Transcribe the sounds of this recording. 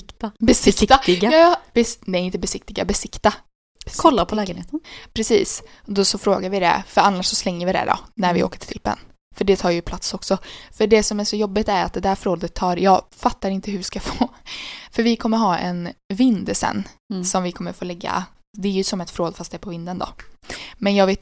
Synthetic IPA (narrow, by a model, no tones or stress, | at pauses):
kt̪abɛsɪkt̪aɪbɛnɛɾɪnt̪əbɛsɪk̚t̪ɪɡa̰bɛsɪkt̪a | kʰɔlːapʰɔɛeːt̪npʰɾɛsḭːs | d̪ɔsɔfɾoːɡaɾvɪd̪ɛ̰fœɾanːaʂsɔslɛŋːəɾvɪd̪ɛ̰d̪ɔ̰næɾvɪo̰ːkə̥ʈʰɪ̥lʰɪpːə̰n | fœɖɛt̪ʰɑːɾjɵpʰlat̪sɔksɔfœɖɛsɔmæʂɔjɔbːɪt̪æɾat̪̚d̪ɛd̪æɾfɾoːd̪ət̪ʰːɑːɾjɑːɡfat̪ːaɾɪnt̪əhɵɪskafoːfœɾvɪkʰɔmːəɾɦɑːʔɛ̰nvɪnd̪sɛ̰nːsɔmvɪkʰɔmːəɾfoːlɛɡːa̰ | d̪ɛæɾjɵsɔmɛt̪fɾoːd̪fast̪̚d̪ɛæːɾpʰɔvɪnd̪ənd̪ɔ̰mɛnjɑːɡvɪt̪